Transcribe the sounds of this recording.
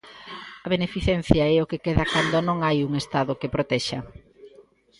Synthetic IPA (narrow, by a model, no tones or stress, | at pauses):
ɐβenefiθɛn̟θjɐɛokekeðɐkand̪onõŋajuŋest̪aðʊkepɾot̪ɛʃɐ